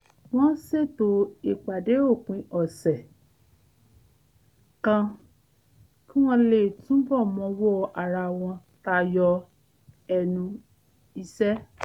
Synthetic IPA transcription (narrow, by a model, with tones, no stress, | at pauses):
w̃ɔ̃˦se˦˨to˧˦i˨k͡pa˨de˨˦o˦˨kũ˨˦ʔɔ˨sɛ˨ | kã˧ | ki˦w̃ɔ̃˧le˨tũ˦bɔ˦˨mɔ̃˧wɔ˦˧ʔa˨ɾa˧w̃ɔ̃˧ | ta˧jɔ˧ | ɛ˧nũ˧ | i˧sɛ˦